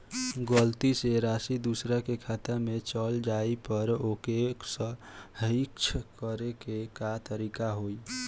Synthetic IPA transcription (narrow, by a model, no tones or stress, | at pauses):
ɡəlt̪iseɾasid̪usɾakekʰat̪əmet͡ʃəld͡ʒaipəɾokeksə̃ɦikt͡ʃʰkəɾekekat̪əɾikaɦoj